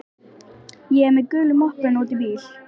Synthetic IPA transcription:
jɛɛɾmɛðkʏːlʏmɔhkɛnoːwt̪ɪviːl

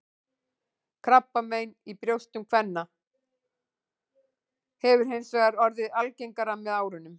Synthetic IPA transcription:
kʰɾapːameːjnipɾjowst̪ʏmkʰvɛnːa | hɛvʏɾ̥ɦejnsvɛɣaɾɔɾðɪðalcejŋkaɾamɛðaːwɾʏnːʏm

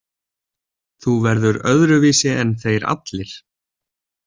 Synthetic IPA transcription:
θuvɛɾðʏɾœðɾʏviːsɪɛnθejɾa̰t̪lɪɾ̥

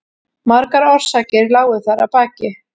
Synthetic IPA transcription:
maɾkaɾɔɾ̥saːcɪɾlaːwʏθaɾa̰paːcɪ

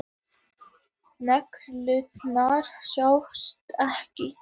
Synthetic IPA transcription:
nɛklʏt̪naɾ̥sjawst̪ɛhcɪ

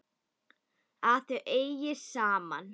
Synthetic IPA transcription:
aθʏʔeːjjɪsaːma̰n

